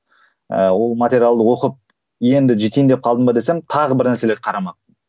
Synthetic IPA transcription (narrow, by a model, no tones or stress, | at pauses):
ə̰wo̞lˠmat̪ʲe̞ɾʲijalˠd̪əwo̞qəp̚ | je̞nd̪ɪʒet̪ejnd̪e̞p̚qʰɑlˠd̪əmbɑd̪e̞se̞mt̪ʰɑʁəbɪɾnæɾse̞leqʰɑɾɑmɑ